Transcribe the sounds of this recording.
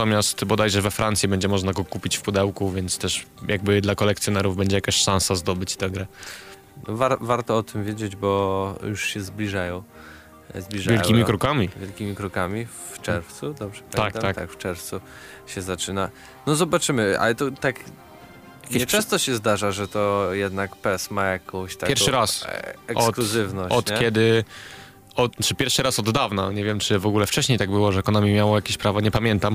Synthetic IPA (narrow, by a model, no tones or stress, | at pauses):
t̪ɔmʲjast̪bɔd̪ajʐɛvɛfɾʔant̪sʲibɛɲd͡ʑɛmɔʐnaɡɔkupʲit͡ɕfpud̪ɛwkuvʲjɛnt̪st̪ɛʂjaɡ̚bɘd̪lakɔlɛk̚t̪sjɔnɛɾuvbɛɲd͡ʑɛjakaɕʂãñsazd̪ɔbɘt͡ɕt̪ɛɡɾɛ | nɔvaɾvaɾt̪ɔɔt̪ɘmvʲjed͡ʑed͡ʑbɔjuʂɕɛzblʲiʐajɔ̃w̃ | zblʲiʐavjɛljkʲimʲikɾukamʲivʲjɛlkʲimʲikɾukamʲi | ft͡ʂɛɾft̪sud̪ɔbʐɛpaak̪k̪akft͡ʂɛɾft̪su | ɕɛzat͡ʂɘna | nɔzɔbat͡ʂɘmɘa̰lɛt̪ɔt̪ak | jakʲet͡ʃɛ̃st̪ɔɕɛzd̪aʐaʐɛt̪ɔjɛd̪nakpɛsmajakɔ̃w̃ɕt̪apjɛɾfʂɨɾasɛksɔtkluzɘvnɔɔt̪kjɛd̪ɘ | ɔt̪t͡ʂɘpʲjɛɾfʂɨɾasɔd̪ːavnaɲɛvʲjɛmt͡ʂɘvɔɡulɛft͡ʂɛɕɲejt̪aɡ̚bɘwɔʐɛkɔnamʲimʲjawajakʲeɕpɾavɔɲɛpamʲjɛnt̪am